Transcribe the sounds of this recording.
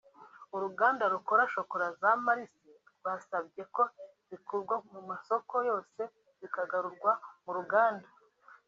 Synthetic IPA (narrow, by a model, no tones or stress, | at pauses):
uɾuɡaːndaɾukoɾaʃo̞ko̞ɾazamaɾisi | wasabɡje̞ko̞ | βikuɾɡwamumaso̞ko̞jo̞ːse̞ | zikaɡaɾuɾɡwamuɾuɡaːnda